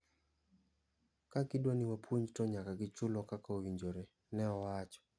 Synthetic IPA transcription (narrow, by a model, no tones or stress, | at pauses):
kakɪdwanɪwapwoɲd͡ʒtɔɲakaɡɪt͡ʃʊlɔkakaowiɲd͡ʒoɾe | nɛɔwat͡ʃɔ̥